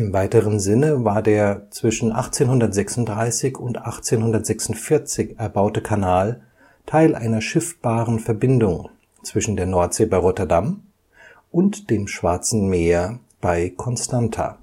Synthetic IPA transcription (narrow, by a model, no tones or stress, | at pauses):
ʔɪmvaɪtəʁənzɪnəvaːɐdeːɐt͡sv̥ɪʃn̩ʔa̰χt͡seːnhʊndɐtz̥ɛksʊntd̥ʁaɪsɪçʊntʔaχt͡seːnhʊndɐtz̥ɛksʊntfɪɐt͡sɪçʔɛɐbaʊtəkʰanaːl | tʰaɪlʔa̰ɪnɐʃɪft̚b̥aːʁənfɛɐbɪndʊŋ | t͡sv̥ɪʃn̩deːɐnɔɐtz̥eːbaɪʁɔtɐdam | ʔʊntd̥eːmʃv̥aɐt͡sn̩meːɐ | b̥aɪkʰɔnstantʰa̰ː